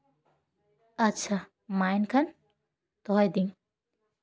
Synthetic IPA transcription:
ɐtːʃʰa | majnkʰɐn | t̪ɔɦjd̪iŋ

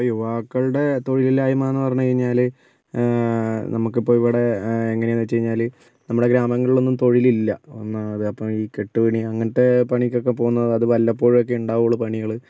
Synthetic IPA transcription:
ɐpːojuʋaːkːɐɭuɽe̞t̪o̞ɻililːaːjumaːenːɨpɐrɐɲːut͡ɕeɻiɲːaːl | nɐmukːipːo̞ːiʋiɽe̞eŋːɐnenːɐt͡ɕːɐjiɲːaːl | nɐmːuɽe̞ɡɾaːmɐŋːɐɭiɭo̞nːumt̪o̞ɻililːɐonːɐɐðɨɐpːɐmiːke̞ʈːɨʋiɳiɐŋːɐnɐtːepɐɳikʲːokːep̬o̞ːɣunːɐðɨɐðɨʋɐlːɐpːo̞ːɻok̬ːe̞uɳɖaːʋuoɭːɐpɐɳiɣɐɭɨ

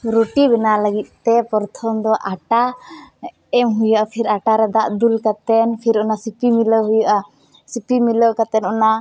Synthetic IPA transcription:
ɾoʈibɛnaləɡit̪̚ˀt̪ɛpɔɾt̪ʰɔmd̪ɔʔaʈa | ɛmɦujaʔapʰiɾaʈaɾɛd̪aʔd̪ulkat̪ɛnpʰiɾɔnasipimiləɦujaʔa | sipimiləkat̪ɛnɔna

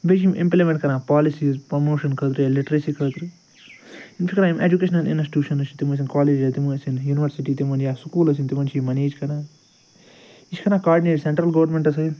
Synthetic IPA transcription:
bed͡ʒimʔḭ̃mplimẽɳʈkɐɾnãːpaːlisiːzpɾɐmoːʃɐnkʰɐt̪ɾijaliʈɾesiːkʰɐt̪ɾi | inpʰikɾaːimʔed͡ʒukeːʃnɐlḭnsʈi̥ʈʲjuːʃɐnɐt͡ʃʰit̪imus̬inkaːleːd͡ʒɐt̪imusinjuːniʋɐɾsiʈiːt̪imɐnjaːsukuːlɐs̬int̪imɐnt͡ʃʰimɐneːd͡ʒkɐɾaː | it͡ʃʰi̥kɐɾnaːkaːɾɖineːʈseɳʈɾɐlɡɐʋɾmeɳʈɐs̬ɐ

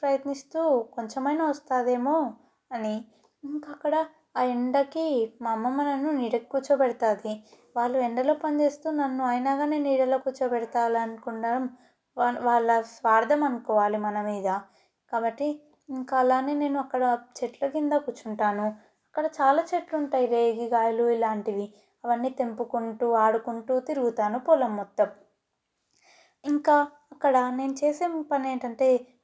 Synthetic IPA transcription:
pɾɐjɐt̪nist̪uːkoɲt͡ʃɐmɐjnɐɐst̪aːd̪e̞ːmoː | ɐni | iŋkaɐkːɐɽɐ | iɳɖɐkimɐmːɐmɐnɐnuniːɽɐkkːuːt͡ʃɐbɛɽit̪aːd̪i | ʋaːɭːuɛɳɖɐlo̞ːpɐnd͡ʒe̞ːst̪uːnɐnːuɐjnaːɡaːne̞ːniːɽɐlokuːt͡ʃɐpɛɽit̪aːlɐnukuɳɖaɐm | aʋaːɭːɐsʋaːɾd̪ʱɐmɐnkɔːʋaːlimɐnɐmiːd̪ɐ | kaːbɐʈːi | iŋkaːlaːneːne̞ːnuɐkːɐɽɐt͡ʃeʈlɐkind̪aːkuːt͡ʃːuɳʈaːnu | ɐkːɐɽɐt͡ʃaːlaːt͡ʃeʈluɳʈaːjiɾe̞ːɡiɡaːjɐluilaːɳʈiʋi | ɐʋɐnːiːt̪e̞mpukuɳʈuːaːɽukuɳʈuːt̪iɾuɡut̪aːnupɔlɐmːɔt̪ːɐm | iŋkaː | ɐkːɐɽɐne̞ːnut͡ʃeːseːmpɐne̞ːɳʈɐɳʈe̞ː

